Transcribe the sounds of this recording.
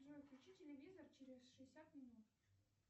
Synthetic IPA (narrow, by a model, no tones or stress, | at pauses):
ʐojklʲʉt͡ɕitʲɪlʲɪvʲizərt͡ɕeɾʲɪsʂɨɪsʲat̪mʲɪnut̪